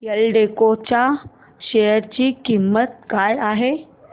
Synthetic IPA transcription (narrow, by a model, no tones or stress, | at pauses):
jəlɖekot͡ɕa | ɕejəɾt͡ɕiːkimːət̪̚kajaɦe